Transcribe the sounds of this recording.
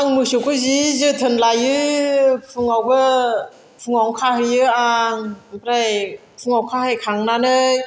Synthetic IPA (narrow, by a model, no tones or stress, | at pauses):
aŋmɯsukʰuzizɯːt̪ʰɯnlajːɯfɯŋɔbɯ | fɯŋɔːŋkʰaːhɯjɯʔaːŋɾaj | fʰɯŋɔkʰaːhajkʰaŋnaːnɯj